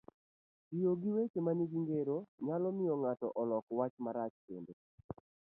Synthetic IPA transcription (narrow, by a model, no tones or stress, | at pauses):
tijoɡiwet͡ʃemaniɡiŋɡeɾoɲalɔmɪɔŋatɔʔɔlɔkwat͡ʃmaɾat͡ʃpende